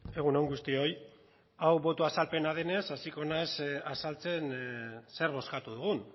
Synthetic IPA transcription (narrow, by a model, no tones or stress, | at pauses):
e̞ɣ̞unoŋɡust̪io̞j | awβo̞t̪uasalpe̞naðe̞ne̞sasiko̞nasasalt͡se̞nse̞ɾβo̞skat̪uðuɣ̞un